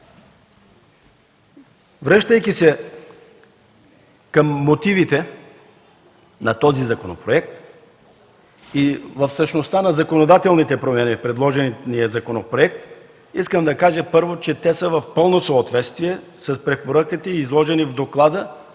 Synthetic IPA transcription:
vɾəʃt̪əjkisɛ | kəmːot̪ivit̪ɛ | nɐt̪ɔzizɐkono̰pɾoɛk̚t̪ | ivəfsəʃnost̪anɐzɐkonod̪at̪ɛlˠnit̪ɛpɾomanifpɾɛd̪lˠɔʒɛnnijəzɐkonopɾoɛk̚t̪ | iskəmd̪ɐkaʒəpɤɾvot͡ʃɛt̪ɛsəvɐfpɤlˠnosoːt̪vɛt̪st̪viɛ | sɐspɾɛpoɾakit̪əizlˠɔʒɛnivd̪oklˠad̪ə

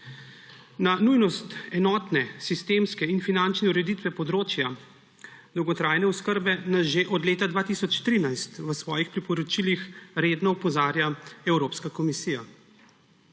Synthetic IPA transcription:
nanujnɔst̪ɛnɔːt̪nɛsist̪emskɛinfinant͡ʃnɛuɾɛd̪it̪ʋɛpɔd̪ɾoːt͡ʃja | d̪ɔwɡɔt̪ɾaːjnɛɔskəɾbɛnaʒeʔɔd̪leːt̪ad̪ʋaːt̪isɔt͡ʃt̪ɾiːnajst̪ʋəsʋɔːjixpɾipɔɾɔt͡ʃilixɾeːd̪nɔupɔzaːɾjaɛwɾoːpskakɔmisiːja

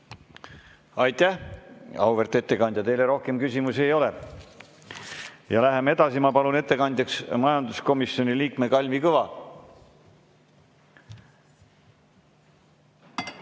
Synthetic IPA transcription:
ɑjt̪æhɑwve̞rt̪ˑe̞t̪ːe̞kɑnd̪jɑt̪e̞jleɾo̞hke̞mkysʲimuse̞jo̞le | jɑlæɦe̞me̞d̪ɑsimɑpɑlune̞t̪ːe̞kɑnd̪̥ʲjɑksmɑjɑnd̪̥usko̞misːo̞niliːkme̞kɑlʲmikɤvɑ

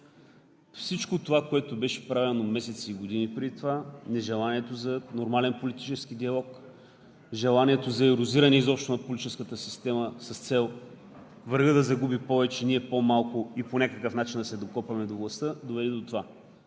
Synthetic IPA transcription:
fsit͡ʃkot̪ovakoɛt̪obɛʃɛ̥pɾavʲɛnomɛsɛt̪siiɡod̪inipɾɛd̪it̪ovanɛʒɛlˠaniɛt̪ozɐnoɾmalɛnpolit̪i̥t͡ʃɛskid̪iɐlˠɔk | ʒɛlˠaniɛt̪ozɐɛɾʊziɾɐnɛizɔpʃt̪onɐpolʲit͡ʃɛskət̪əsi̥st̪ɛməsɐst̪sɛlˠ | vɐɾɡəd̪ɐzɐɡubipɔvɛt͡ʃɛniɛpomalˠkoiponʲakəkəfnat͡ʃind̪ɐsɛd̪okɔpvɐmɛd̪ovlˠɐst̪ɤd̪ovɛd̪ɛd̪ot̪ova

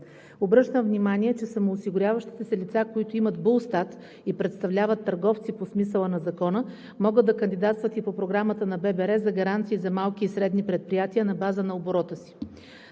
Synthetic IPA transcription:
obɾɤʃt̪əmvnimaniɛt͡ʃɛsəmoːsiɡʊɾʲjavəʃt̪i̥t̪ɛsɛlit̪sakoit̪ʊimət̪bolˠst̪at̪ | ipɾɛt̪st̪ɐvlʲavət̪ːəɾɡɔft̪siposmisəlˠənɐzɐkɔnə | mɔɡəd̪d̪ɐkənd̪id̪at̪st̪vət̪ipopɾoɡɾamət̪ənɐbɛbɛɾɛzɐɡɐɾant̪siːzɐmalˠk̟iːsɾɛd̪nipɾɛt̪̚pɾijat̪iənɐbazənɐoboɾɔt̪əsi̥

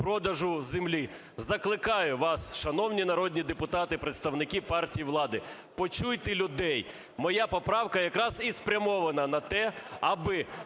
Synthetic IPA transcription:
pɾɔd̪ɐʒʊzemlʲi | zɐklˠɪkɑjʊʋɑsʃɐnɔwnʲinɐɾɔd̪ʲnʲid̪epʊt̪ɑt̪ɪpɾet̪st̪ɐwnɪkʲipɑrtʲijiʋlˠɑd̪ɪ | pɔt͡ʃujt̪ɪlʲʊd̪ɛj | mɔjapɔpɾɑwkɐjɐkɾɑzispɾʲɐmɔʋɐnɐnɐt̪ɛɐbɪ

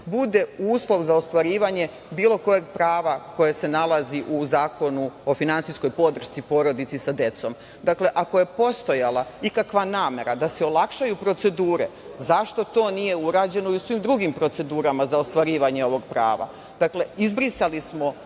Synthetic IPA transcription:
bud̪e̞uːslˠo̞ʋzaost̪ʋaɾiːʋaɲe̞ | biːlˠo̞ko̞jeɡ̚pɾaːʋako̞jase̞nalaziʔuzaːko̞nuo̞finansisko̞jpo̞d̪r̩ʃt̪sipo̞ɾo̞d̪it̪sisad̪e̞t̪so̞m | d̪akle̞ʔakoje̞po̞st̪o̞jalˠaikakʋanaːme̞ɾad̪aseolˠakʃajupɾo̞t̪se̞d̪uːɾḛ | zaʃt̪o̞t̪o̞ːnije̞uɾaːd͡ʑe̞no̞iusʋimd̪ɾuɡimpɾo̞t̪e̞d̪uːɾamazaost̪ʋaɾiːʋaɲe̞o̞ʋo̞ɡ̚pɾa̰ːʋa̰ | d̪̥akle̞izbɾisalismo̞

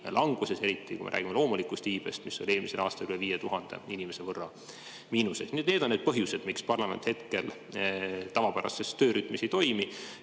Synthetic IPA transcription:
lʔɑŋɡ̥use̞se̞ɾit̪ːˑikṵmḛɾæ̰ːɡimelo̞ːmulikust̪iːb̥e̞̰st̪misːolʲie̞ːlmise̞lɑ̰ːst̪ɑlkyleviːjet̪uɦɑnd̪̥e̞̰inimese̞vɤrːɑ | miːnuse̞̰d̥̪nied̪ned̪onːed̪̚pɤɦjuse̞d̪̥mikspɑrlɑmḛnt̪he̞t̪ke̞l | t̪ɑvɑpæɾɑ̰sesøːɾyt̪ːˑmisit̪o̞jmi

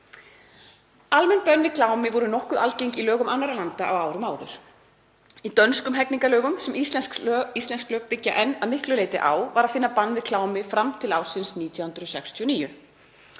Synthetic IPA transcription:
almɛnpœnːvɪkʰlaːwmɪvɔɾʏnɔhkʏðalcejŋcilœːɣʏmanːaɾalant̪aʔawaːwɾʏmaːwðʏ̰ɾ̥ | it̪œnskʏmɦɛkniŋkalœːɣʏmsɛmʔist̪lɛsist̪lɛnsklœːkpɪcːaʔɛnːaðmɪhklʏleːjt̪ɪʔa̰ːwvaɾaðfɪnːapanːvɪkʰlaːwmɪfɾamt̪ʰɪlawsɪnsniːt̪ʰjahʏnt̪ɾʏsɛkst̪ʰiɔniːjʏ

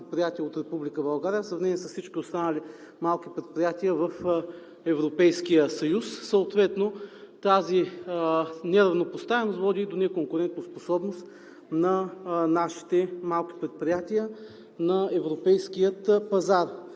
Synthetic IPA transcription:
t̪̚pɾijat̪iəot̪ɾɛpublikəbɐlˠɡaɾʲijəfsɾɐvnɛniɛsɐfsit͡ʃkʲiost̪anəlʲi | malˠk̟ipɾɛt̪̚pɾijat̪iəvɐf | ɛvɾopɛjskijəsɐjusːəot̪vɛt̪not̪azi | nɛɾɐvnopost̪avɛnost̪vɔd̪iːd̪onɛkoŋkʊɾɛnt̪nosposɔbnost̪ | nɐnaʃi̥t̪ɛmalˠk̟i̥pɾɛt̪̚pɾijat̪iə | nɐɛvɾopɛjskijət̪pɐzaɾ

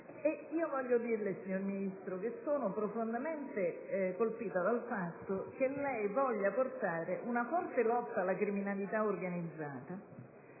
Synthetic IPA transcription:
eiːovɔʎːod̪irlesiɲːorminist̪ɾok̟esːoːnopɾofond̪ament̪ekolpiːt̪ad̪alfat̪ːok̟elːɛjvɔʎːaport̪aːɾeʔunafɔrt̪elɔt̪ːaːlːakɾiminalit̪aorɡanid̪zːaːt̪a

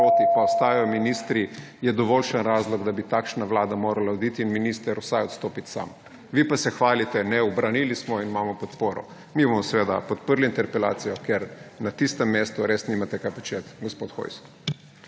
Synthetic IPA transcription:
oːt̪ikɔɔst̪aːjajɔminiːst̪ɾijɛd̪ɔʋɔːlʃənɾaːzlɔɡd̪abit̪akʃnaʋlaːd̪amoːɾalaɔd̪iːt̪iːnminist̪əɾuwsajɔt̪st̪oːpit̪sa̰m | ʋipasɛxʋaːlit̪ɛnɛɔbɾaniːlismɔinimaːmɔpɔt̪poːɾɔ̰ | mibɔmɔsʋeːd̪a̰pɔt̪pəɾliint̪ɛɾpɛla̰ːt̪sijɔkɛɾnat̪ist̪ɛmːest̪uɾesniːmat̪ɛkapat͡ʃet̪ɡospot̪xo̰js

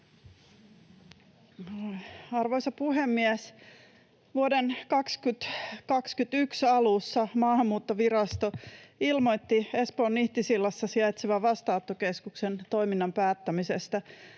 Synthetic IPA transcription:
ɑrʋojsɑpuɦemːiæs | ʋuodenkɑkskyt̪kɑkskyt̪yksɑlusːɑmɑːhɑmːuːt̪ːoʋiɾɑst̪oilmo̞jt̪ːiespoːnːiht̪isilːɑsːɑsiɑjt̪siʋæʋɑst̪ɑot̪ːokeskuksent̪o̞jminːɑmpæːt̪ːæmisest̪æ

